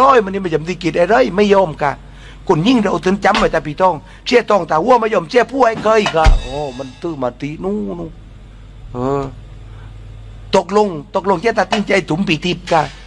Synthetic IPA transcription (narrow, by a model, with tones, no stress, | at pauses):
ɔː˧˥˨jma˧ni˧˩ma˧˩t͡ɕa˨˦mt̪iː˧˩ki˧˩t̪̚ha˧˨ɾɤ˧˥˨jma˧˥˨jːɔː˧˩˨mka˧˩ | ko˧˨nɲi˧˨ŋɾa˧ʔt̪ʰɯ˨˦nt͡ɕa˨˧˦mːa˧˨˩t̪aː˧piː˧˨t̪ɔ˧˩˨ŋ | si˧˥ə˨t̪ɔ˧˩ŋt̪aː˧wu˧˥˨ma˧˨jɔː˧˩˨msi˧˥ə˨pʰuː˧˩˨ha˧jkʰɤː˧˨jkaː˧˩ʔɔː˧˩ma˧˨nt̪ɯ˧˨maː˧t̪i˧nu˧˥˨nu˧˨ | ʔɤː˧˩ | t̪o˧k̚lo˧˨ŋt̪o˧k̚lo˧˨ŋsi˧˥˧t̪aː˧t̪i˧˨ŋt͡ɕa˧˨jt̪ʰu˨˦mpiː˧˦t̪ʰi˧p̚kaː˧˩